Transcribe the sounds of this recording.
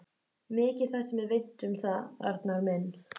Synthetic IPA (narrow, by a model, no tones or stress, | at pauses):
mɪːcɪðθahsɛmɛvejn̥t̪ʏmθaða̰ɾt̪naɾmɛnː